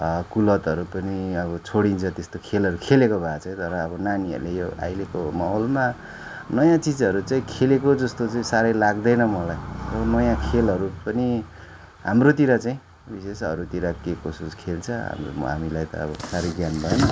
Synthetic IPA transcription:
kulʌt̪ʌɾupʌniʌβʌt͡sʰoɽint͡sʰʌt̪est̪okʰelɦʌɾukʰelekobʱat͡sʌĩt̪ʌɾʌːbʌnaniʌ̰rulejoa̰jlekomaɦolma | nʌjãt͡sid͡zʌɾut͡saĩkʰelekod͡zʌst̪ot͡saĩsaɾʌjlaɡd̪ʌjnʌmʌlajʌnʌjãkʰelɦʌɾupʌni | ɦa̰mrot̪iɾat͡saĩ | bisesʌ̰ɾut̪iɾakekosuskʰelt͡sʰʌɦa̰m̰ɦa̰milajt̪ʌ̰ːbʌsaɾʌjɡjanbʱʌjenʌ

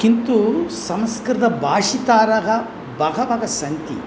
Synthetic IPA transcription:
kint̪usɐmskɾɐd̪ɐbʱaːʂit̪aːɾɐɦɐ | bɐɡɐbɐɡɐsɐnt̪ḭ

